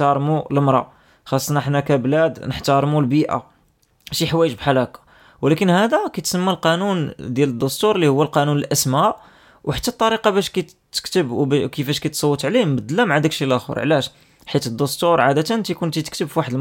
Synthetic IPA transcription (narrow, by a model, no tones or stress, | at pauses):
ɑɾˤmuləmɾˤɑ̰ | xɑsˤːnɑəħnækæblæd̪nəħt̪ɑɾˤmulbiʔa̰ | ʃiħwæjəʒbħalækɑ̥ | wlækənhæd̪ækæt̪səmːælqɑnund̪jæləd̪ːʊst̪uɾˤlːihʊwːælqɑnunəlʔæsmæʔ | wħḁt̪ːæt̪ˤːɑɾiqɑbæʃkæ | t̪ːə̥kt̪əbkəfæʃkæjt̪sˤɑwːət̪ˤʕlimbəd̪ːlːæmaʕad̪ækʃilʔæxṵɾˤʕlæʃ | ħit̪əd̪ːʊst̪uɾˤʕad̪æt̪ənnt̪ikunt̪it̪ə̥k̚t̪əbfiwaħəd̪əl